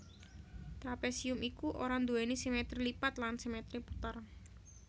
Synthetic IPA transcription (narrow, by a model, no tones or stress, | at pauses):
t̪ɾapesiʊmikuʔoɾand̪uɛnisimet̪ɾilipat̪lansimet̪ɾipu̥t̪ar